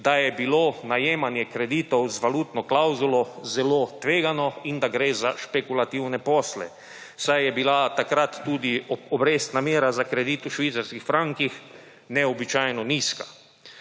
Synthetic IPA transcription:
d̪ajɛbilonajeːmanjɛkɾɛd̪iːt̪ɔwzʋaluːt̪nɔklawzulɔzɛlot̪ʋeːɡanɔind̪aɡɾeːzaʃpɛkulat̪iwnɛpɔːslɛ̰ | sajjɛbilat̪akɾat̪ːuːd̪iɔbɾeːst̪namjeːɾazakɾɛd̪iːt̪uʃʋiːt̪saɾskixfɾaŋkix | nɛɔbit͡ʃajnɔniːskḁ

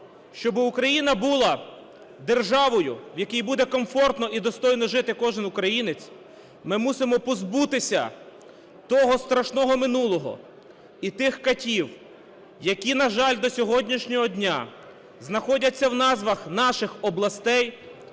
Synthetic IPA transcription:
ʃt͡ʃɔbɪukɾɐjinɐbulˠɐ | d̪erʒɑʋɔjʊwjɐkijbud̪ɛkɔmfɔrt̪nɔʔid̪ɔst̪ɔjnɔʒɪt̪ɪkɔʒɪnʊkɾɐjinɪt͡sʲ | mɪmusɪmɔpɔzbut̪ɪsʲɐ̰ | t̪ɔɦɔst̪ɾɐʃnɔɦɔmɪnulˠɔɦɔ̰ | it̪ɪxkɐtʲiw | jɐkʲinɐʒɑlʲd̪ɔsʲɔɦɔdʲnʲiʃnʲɔɦɔdʲnʲa | znɐxɔdʲɐt͡sʲːɐwnɑzʋɐxnɑʃɪxɔblˠɐst̪ɛj

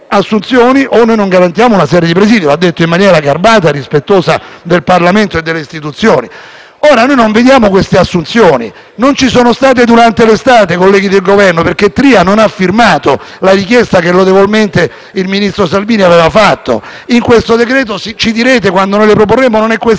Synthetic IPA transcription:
asːunt̪sjoːniʔonojnoŋɡaɾant̪jaːmounasɛːɾjed̪ipɾeziːd̪joad̪ːet̪ːoimːanjɛːɾaɡarbaːt̪̬arispet̪ːoːsa̰d̪elparlament̪oed̪ːelːeist̪it̪ut̪sːjoːni | oːɾanojnoɱved̪jaːmokwest̪easːunt̪sjoːnḭ | nont͡ʃisoːnost̪aːt̪̬ed̪uɾant̪elest̪aːt̪ekolːɛːɡid̪elɡovɛrnoperk̟ːet̪ːɾiːanonafːirmaːt̪o | laɾik̬jɛst̪akelːot̪̬evolment̪e | ilminist̪ɾosalviːniavɛːvafat̪ːo̰ | iŋkwest̪od̪ekɾɛːt̪osit͡ʃid̪iɾeːt̪̬ekwand̪onojlepɾop̬orːeːmononɛkːwes

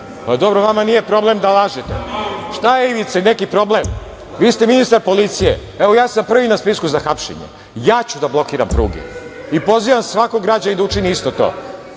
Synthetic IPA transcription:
pad̪o̞bɾoʋamanije̞pɾo̞ble̞md̪alˠaːʒet̪ḛʃt̪aeiʋit̪senekipɾo̞blem | ʋiːst̪e̞minist̪aɾpo̞lit̪sijḛ | eʋo̞jaːsampr̩ʋinaspiskuzaxapʃḛɲḛ | jaːt͡ɕud̪ablˠo̞kiːɾa̰mpɾṵːɡḛ | ipo̞ziʋamsʋako̞ɡɾad͡ʑaid̪aut͡ʃiniist̪o̞t̪o̞̰ː

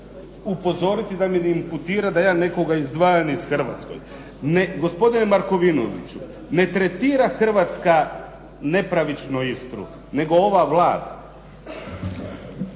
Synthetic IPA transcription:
upo̞zo̞ɾit̪id̪aminimput̪iːɾad̪ajaːne̞ko̞ɡaizd̪ʋaːjanisxr̩ʋa̰t̪sko̞̰j | neɡo̞spo̞d̪inemaɾko̞ʋino̰ʋḭt͡ɕu | ne̞t̪ɾet̪iːɾaxr̩ʋat̪ska | ne̞pɾaʋit͡ʃnoist̪ɾṵ | ne̞ɡo̞o̞ʋaʋlaːd̪a

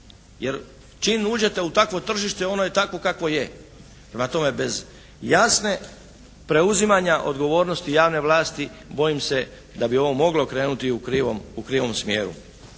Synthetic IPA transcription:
jeɾ | t͡ʃinuːd͡ʑe̞t̪e̞ut̪akʋo̞t̪r̩ʒiʃt̪eo̞nojet̪ako̞kakʋo̞je̞ | pɾemat̪o̞me̞be̞z | jasne̞ | pɾe̞uzimaɲaʔo̞̰d̪ɡo̞ʋo̞ːɾno̞st̪ijaːʋne̞ʋlaːst̪ibo̞jimse̞ | d̪abio̞ʋo̞mo̞ɡlo̞kɾeːnut̪iukɾiʋomukɾiːʋo̞msmjḛːɾṵ

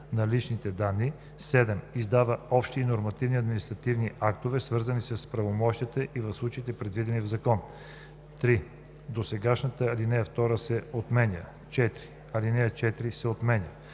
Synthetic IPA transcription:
nɐlit͡ʃnit̪ɛd̪anːi | sɛd̪ɛmizd̪avəɔpʃt̪iːnoɾmɐt̪ivniɐd̪minist̪ɾɐt̪ivniʔakt̪ovɛsvɤɾzɐnisəspɾɐvomɔʃt̪it̪ɛʔivɐfslˠut͡ʃəit̪ɛpɾɛd̪vid̪ɛnivzɐkɔn | t̪ɾi | d̪osɛɡaʃnət̪əlinɛjəft̪ɔɾəsɛot̪mɛnʲə̰ | t͡ʃɛt̪ɾi | ɐlinɛjət͡ʃɛt̪ɾisɛot̪mɛnʲə

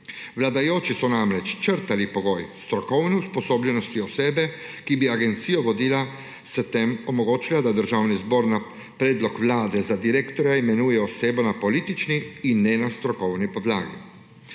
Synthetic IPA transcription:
ʋlad̪ajoːt͡ʃisɔnamɾɛt͡ʃt͡ʃəɾt̪alipɔɡoːjst̪ɾɔkɔwnɛuspɔsoːbʎɛnɔst̪iɔseːbɛkibiaɡɛnt̪sijɔɡɔd̪iːla | st̪emɔmoɡoːt͡ʃilad̪ad̪əɾʒawnizboɾna | pɾeːd̪lɔkʋlaːd̪ɛzad̪iɾekt̪ɔɾjaimɛnuːjɛɔseːbonapoliːt̪it͡ʃniinːɛnast̪ɾɔkɔwnipɔd̪laːɡḭ

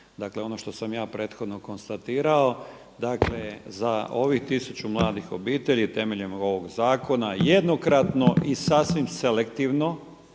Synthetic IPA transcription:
d̪akle̞o̞no̞ʃt̪o̞samjaːpɾe̞ːt̪xo̞d̪no̞ko̞nst̪at̪iːɾao̞ | d̪akle̞zaʔo̞ʋixt̪isut͡ɕumlˠaːd̪ixo̞biːt̪e̞ʎit̪e̞me̞ʎe̞mo̞ʋo̞ɡzaːko̞najed̪no̞kɾat̪no̞ʔisasʋimse̞lekt̪iʋno̞

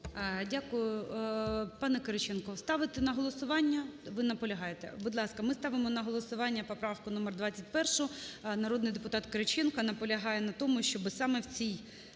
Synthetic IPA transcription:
dʲakʊjʊ | pɑnɛkeɾɐt͡ʃɛnkɔst̪ɑʋɪt̪ɛnɐɦɔlˠɔsʊʋɑnʲːɐʋɪnɐpɔlʲɐɦɑjet̪ɛ̰bʊd̪lˠɑskɐmɪst̪ɑʋɪmɔnɐɦɔlˠɔsʊʋɑnʲːɐpɔpɾɑfkʊnɔmɛrd̪ʋɑt͡sʲːɐt̚ʲpɛrʃʊnɐɾɔd̪nɪjd̪epʊt̪ɑt̪keɾɐt͡ʃɛnkɐnɐpɔlʲɐɦɑjɛnɐt̪ɔmʊʃʲt͡ʃɔbɪsɑmɛwt͡sʲij

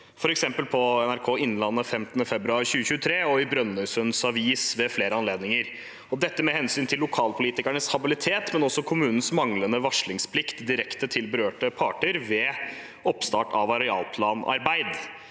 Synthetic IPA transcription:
fɔɾɛksɛmpəlpʰɔɛnæɾkʰoːɪnːlɑnːəfɛmt̪ənəfɛbɾʉɑɾçʉːəçʉːt̪ʰɾeːɔɪbɾœnːʉsənsɑʋiːsʋɛfleːɾəɑnleːd̪nɪŋəɾ | ɔd̪ɛt̪ːəmɛhɛnsyːnt̪ʰɪlːʊkʰɑːlpʰʊliːt̪ɪkæɳəshɑbɪlɪt̪ʰeːt̪mɛnɔsɔkʰʊmʉːnən̩smɑŋlənəʋɑʂɭɪŋspʰlɪkt̪d̪ɪɾɛkt̪ət̪ʰɪlbəɾøːʈəpʰɑːʈəɾʋɛ | ɔpst̪ɑ̰ːʈɑʋɑɾɛɑ̰ːlpʰlɑːnɑ̰ɾbæɪd̪

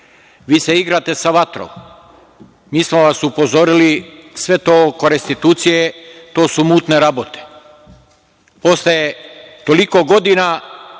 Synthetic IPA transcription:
ʋiːseiɡɾat̪e̞saʋat̪ɾo̰m | miːsmo̞ʋasupo̞zo̞ɾilisʋe̞t̪oːkoɾest̪it̪uːt̪sijet̪o̞ːsumuːt̪ne̞ɾabot̪e̥ | po̞slet̪o̞liko̞ɡo̞d̪ina

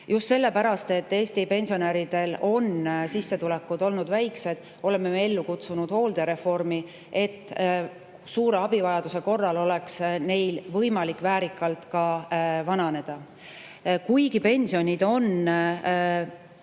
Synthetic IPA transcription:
just̪se̞lːe̞pæɾɑst̪e̞t̪ːe̞ːst̪ipe̞nʲsio̞næɾid̪̥e̞lo̞nsisːe̞t̪ule̞kːud̪o̞lnud̪væjkse̞d̪̥ | o̞le̞mːe̞mee̞lːukut̪sunud̪̥ho̞ːld̪̥e̞ɾe̞fo̞rmi | e̞t̪ː | suːɾe̞ɑb̥ivɑjɑd̪̥use̞ko̞rːɑlo̞le̞ksne̞jlvɤ̞jmɑlikːˑvæːɾikːˑɑlt̪kɑvɑnɑne̞d̪̥ɑ | kujɡ̥ipe̞nʲsio̞nʲid̪̥o̞n

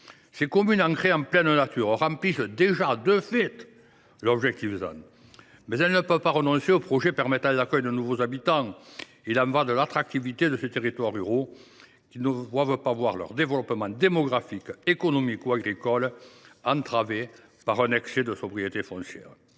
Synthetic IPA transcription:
sekɔmynɑ̃ŋkχeɑ̃plɛnənat̪yʁəʁɑ̃mplisəd̪eʒad̪øfɛt̪ | lɔbʒɛk̚t̪ifzã̰n | mɛzɛlənəpœvpaʁənɔ̃seopχɔʒepɛʁmɛt̪ɑ̃lakœjd̪ənuvozabit̪ɑ̃ | ilɑ̃vad̪əlat̪χak̚t̪ivit̪ed̪əset̪eʁit̪waʁyʁo | kʲinəd̪wavəpavwaʁlœ̰ʁd̪evəlɔpəmɑ̃d̪emɔɡʁafikekɔnɔmikuaɡʁikɔlɑ̃nt̪χave | paʁɛnɛksed̪əsɔbʁijet̪efɔ̃sjɛ̰ːʁə

